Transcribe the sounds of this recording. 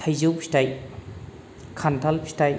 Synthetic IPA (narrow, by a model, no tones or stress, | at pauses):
ajzowpʰi̥staj | kʰantʰalpʰi̥staj